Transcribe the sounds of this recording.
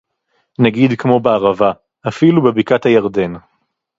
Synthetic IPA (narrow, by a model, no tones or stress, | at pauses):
naɡid̪kmo̞beaʁava | afilubebikat̪hajaʁd̪e̞n